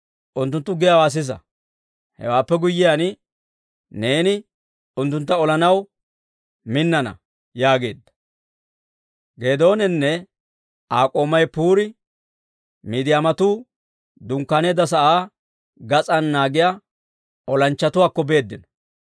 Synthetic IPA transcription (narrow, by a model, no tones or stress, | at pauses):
ʔʊnt̪ːʊnt̪ːʊɡɪjawaːs̬ɪs̬ɐ̰ | hɛ̰waːpːɛɡʊjːɪjanɪ | ne̞ːnɪ | ʊnt̪ːʊnt̪ːɐɔlɐnɐw | mɪnːɐnɐ̰ | jaːɡe̞ːd̪ːɐ̥ | ɡe̞ːd̪o̞ːnɛnːɛ | ʔaːkʼo̞ːmɐjpuːɾɪ | miːd̪ɪjaːmɐt̪uː | d̪ʊŋkːaːneːd̪ɐsɐʔaː | ɡɐt͡sʼɐnːaːɡɪja | ɔlɐnt͡ʃːɐt̪ʊwaːkːɔbe̞ːd̪ːɪnɔ̥